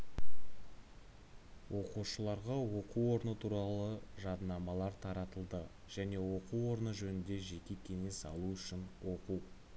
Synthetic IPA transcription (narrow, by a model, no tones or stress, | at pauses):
wʔo̞quʃəlˠɑɾʁɑwo̞quwo̞ɾnət̪ʰuɾɑlˠəʒɑd̪nɑmɑlˠɑɾt̪ʰɑɾɑt̪əlˠd̪ə | ʒ̥æne̞wo̞quwo̞ɾnəʒɵnɪnd̪e̞ʒe̞kʲe̞kʲʰe̞ŋe̞sɑ̰lˠuʏʃɪnwo̞quw